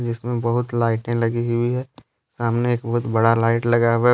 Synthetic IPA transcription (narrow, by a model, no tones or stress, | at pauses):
d͡ʒɪsmẽbɐɦʊt̪laːɪʈẽlɐɡiɦibʱiɦɛ | saːmneeːk̚bɐɦʊt̪bɐɽalaːɪʈlɐɡawe